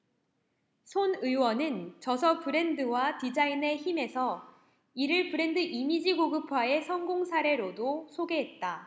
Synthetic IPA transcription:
sʰonɯwʌnɯnt͡ɕʌsʰʌpɯɾe̞ndɯwatid͡ʑaine̞çime̞sʰʌ | iɾɯɭpɯɾe̞ndɯʔimid͡ʑiɡoɡɯpʰwae̞sʰʌŋɡoŋsʰaɾe̞ɾodosʰoɡe̞ɦe̞t̚t͈a

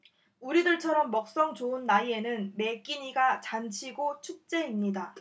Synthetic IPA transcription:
uɾidɯɭt͡ɕʰʌɾʌmːʌk̚s͈ʌŋt͡ɕoɯnːaie̞nɯnme̞k͈iɲiɡat͡ɕant͡ɕʰiɡot͡ɕʰuk̚t͡ɕ͈e̞imɲida

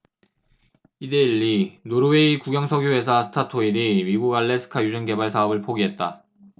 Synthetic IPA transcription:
ide̞iʎːinoɾɯweikuɡjʌŋsʰʌɡjoe̞sʰasʰɯ̥tʰatʰoinimiɡuɡaɭːe̞sʰɯ̥kʰajud͡ʑunke̞baɭsʰaʌbɯɭpʰoɡiɦe̞t̚t͈a

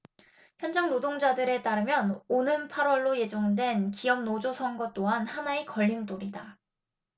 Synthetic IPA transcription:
çjʌnd͡ʑaŋnodoŋd͡ʑadɯɾe̞t͈aɾɯmjʌnonɯnpʰaɾwʌɭːoje̞d͡ʑoŋdwe̞nkijʌmnod͡ʑosʰʌnɡʌt͈oɦanhanaekʌʎːimt͈oɾida

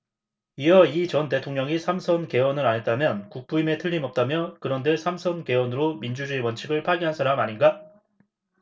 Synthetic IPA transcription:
ijʌit͡ɕʌnt̬e̞tʰoŋɲʌŋisʰamsʰʌnke̞wʌnɯɾaɲet̚t͈amjʌnkuk̚p͈uime̞tʰɯʎːimʌp̚t͈amjʌkɯɾʌnde̞sʰamsʰʌnke̞wʌnɯɾomind͡ʑud͡ʑuewʌnt͡ɕʰiɡɯɭpʰaɡiɦansʰaɾamaɲinɡa

